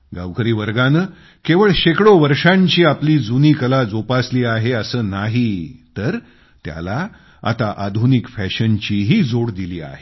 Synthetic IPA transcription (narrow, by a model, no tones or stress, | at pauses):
ɡa̰ʋkəɾiːʋəɾɡanəː | keʋəɭɕekɽoʋəɾʂãɲt͡ɕiːapliːd͡zuniːkəlad͡zopasliːaɦeəsəːnaɦit̪əɾ | t̪ja̰la | a̰t̪aʔad̪ʱunikfɛɕənt͡ɕiːɦiːd͡zoɽd̪iliːa̰ɦe